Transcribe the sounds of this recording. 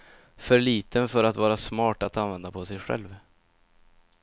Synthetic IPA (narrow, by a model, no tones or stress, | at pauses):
fœɾɭiːt̪ʰənfœɾat̪vɑːɾasmɑːʈat̪anvɛnd̪apʰɔsɛjɧɛ̰lv